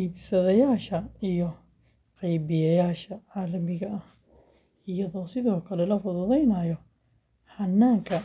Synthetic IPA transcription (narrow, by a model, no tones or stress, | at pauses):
iːbsɐðɐjaːʃɐijɔ | qɑjbɪjɐjaːʃɐʕaːlɐmɪɣɐʔɐh | ɪjɐðɔːsɪðɔːkʰɐlɛlɐfʊðʊðɛjnɐjɔ | hɐnːaːŋkʰɐ